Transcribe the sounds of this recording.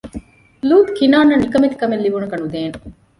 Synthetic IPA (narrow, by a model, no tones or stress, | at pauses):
luːt̪kinaːnːɐnikɐmit̪kɐmelːiʋuɳɐkɐnud̪eːn